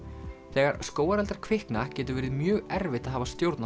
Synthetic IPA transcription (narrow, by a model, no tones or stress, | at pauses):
θɛːɣaɾskoːwaɾɛlt̪aɾkʰv̥ɪhknacɛːt̪ʏɾvɛːɾɪðmjœːɣɛɾvɪt̪aðɦaːvast̪jowɾt̪na